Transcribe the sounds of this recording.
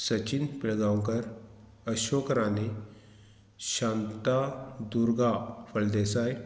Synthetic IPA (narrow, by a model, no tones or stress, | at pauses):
sət͡ɕinpiɭɡaw̃ŋkəɾ | əɕokɾane | ɕãnt̪ad̪uɾɡafəɭd̪esaj